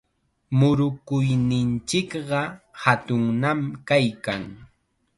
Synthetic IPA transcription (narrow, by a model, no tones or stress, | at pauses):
mʊɾʊkʊjnɪnt͡ʃɪkɢɑhat̪ʊŋnamkajkaŋ